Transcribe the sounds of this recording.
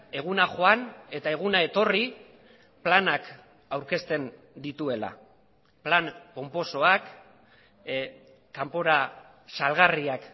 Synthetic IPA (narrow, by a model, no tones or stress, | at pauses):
e̞ɣ̞unaxo̞ane̞t̪ae̞ɣ̞unae̞t̪o̞ri | planak | awɾke̞st̪e̞n | d̪it̪ue̞la̰ | planko̞mpo̞so̞ak | kampo̞ɾa | salɣariak